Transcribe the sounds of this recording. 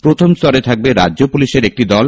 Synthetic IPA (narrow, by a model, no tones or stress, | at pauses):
pɾot̪ʰomst̪ɔɾet̪ʰak̚beɾa̰ʑopuliʃeɾek̚ʈid̪ɔl